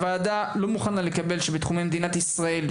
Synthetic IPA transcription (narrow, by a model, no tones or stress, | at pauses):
vaːd̪alo̞muχanlalekabe̞lʃebet̪χume̞jmed̪inat̪isʁae̞l